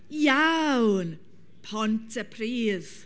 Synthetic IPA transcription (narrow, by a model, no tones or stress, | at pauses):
jawn | pʰɔntʰəpʰriːð